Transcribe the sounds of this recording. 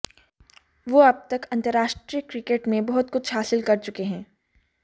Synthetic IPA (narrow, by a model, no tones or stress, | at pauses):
ʋoːɐb̚t̪ɐkɐ̃nt̪əɾːaːʃʈɾijəkɾɪkeːʈmẽbɐɦʊt̪̚kʊt͡ʃʰɦaːsɪlkɐɾt͡ʃʊkeɦɛ̃ː